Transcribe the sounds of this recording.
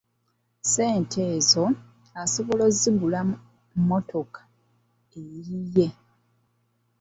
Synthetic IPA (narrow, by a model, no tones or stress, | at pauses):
se̞ːntʰeːzo̞ | asoβolo̞ziɡula | mo̞tʰo̞kḁ | eije̞